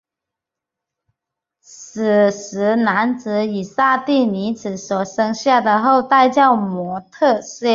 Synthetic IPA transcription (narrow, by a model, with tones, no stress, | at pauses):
s̩˨˩s̩˧˥na˧˥nt͡sɹ̩˧˥i˨˩sa˥˧t̪i˥˩ni˧˥t͡sɹ̩˨˩swɔ˨˩ʂɤ˥ŋɕja˥˩d̪ə˩xo˥˧ʊt̪a˥˧ɪt͡ɕjɑ˥˩ʊmwɔ˧˥t̪ʰɤ˥˧sɛ˥˧